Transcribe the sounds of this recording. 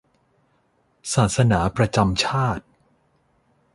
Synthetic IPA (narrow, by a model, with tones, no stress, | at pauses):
saː˨˩t̪̚sa˧naː˩˦pɾa˧t͡ɕa˧mt͡ɕʰaː˥˩t̪̚